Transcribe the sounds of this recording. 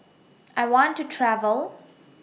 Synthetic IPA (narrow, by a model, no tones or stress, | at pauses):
ʔaɪwɔ̃ntːutʰɹævəlˠ